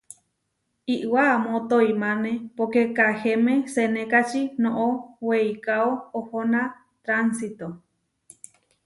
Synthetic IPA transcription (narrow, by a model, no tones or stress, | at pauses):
iʔwamõt̪oimãnẽpokekahemẽsenẽkat͡ʃinõʔowejkaoohona | t̪ɾansit̪o